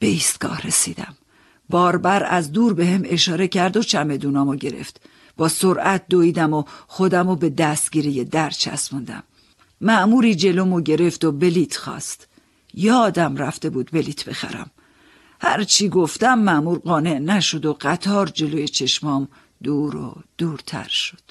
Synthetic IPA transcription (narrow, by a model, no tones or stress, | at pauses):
b̥e̞iːst̪̚ɡ̥ɒ̰ːhɾesiːd̪æ̰m | bɒːɾbæɾæ̰zd̪uːɾbe̞heme̞ʃɒːɾecʰæɾd̪o̞t͡ʃʰæme̞d̪uːnɒːmoɟe̞ɾḛft̪ | b̥ɒːsoɾʔæt̪̚d̪oiːd̪æmoxo̞d̪æmobe̞d̪æst̪ɟ̥iːɾijed̪æɾt͡ʃʰæ̰smund̪æ̰mː | æʔmuːɾiːd͡ʒe̞lomoɟe̞ɾe̞ft̪obe̞liːt̪ʰxɒ̰ːst̪ | jɒːd̪æmɾæft̪e̞buːd̪be̞liːt̪ʰbe̞xæ̰ɾæ̰m | hæɾt͡ʃʰiːɡo̞ft̪æmːæʔmuːɾɢɒːne̞ʔnæʃo̞d̪oɢ̥æt̪ʰɒːɾd͡ʒe̞loːjet͡ʃʰe̞ʃmɒːm | d̪̥uːɾo̰d̪̥uːɾt̪ʰæ̰ɾʃo̥d̪̥